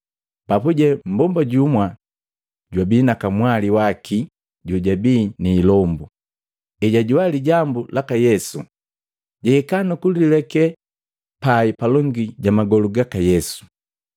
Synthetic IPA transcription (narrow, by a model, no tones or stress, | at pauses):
papuɟɛm̩bɔmbaɟumwa | ɟwabiːnakamwaliwakʰi | ɟuɟabiːniːlɔmbu | ɛɟaɟuwaliɟambulakajɛsu | ɟɛːkanukulilɛkɛ | paipalɔŋɡiɟamaɡɔluɡakajɛsu̥